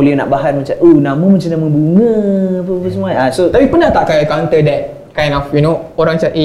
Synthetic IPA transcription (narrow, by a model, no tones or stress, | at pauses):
oliəna̰ʔbaɦat̪̚mə̃t͡ʃatʔonãmə̃mə̃t͡ʃanamə̃buŋə̃ap̬əapəsəmuaasot̪apipənaht̪aʔkajakãnt̪ədɛt̚ | kãj̃nɔfjunooɾãŋt͡ʃatʔe